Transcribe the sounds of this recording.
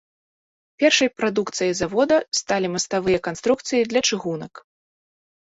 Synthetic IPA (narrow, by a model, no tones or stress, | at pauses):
pʲɛrʂɐjpɾad̪ukt̪sɨjɐjzavɔd̪ɐst̪alʲimɐst̪avɨjɐkanst̪ɾuk̚t̪sɨjid̪lʲɐt͡ʂɨɣunɐk